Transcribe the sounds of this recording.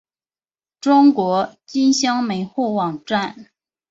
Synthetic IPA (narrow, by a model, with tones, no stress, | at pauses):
ʈ͡ʂʊ˥ŋkwɔ˧˥t͡ɕi˥nɕjɑ˥ŋme˧˥ɪxu˥˩wɑ˨˩ŋʈ͡ʂa˥˩n